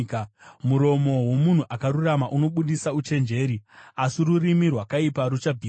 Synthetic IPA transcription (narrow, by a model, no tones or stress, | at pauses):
kmuɾo̞mo̞wo̞mun̤uʔakaɾuramaʔuno̞ɓuɗisaut͡ʃe̞nd͡ʒe̞ːɾiasirurimirwakaipaɾut͡ʃabʱiː